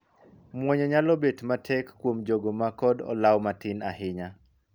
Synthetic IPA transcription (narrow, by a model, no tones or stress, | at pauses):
mwɔɲɛɲalɔbetmatʰɛkːwomd͡ʒoɡomakɔdɔ̰lawmatɪnahɪɲa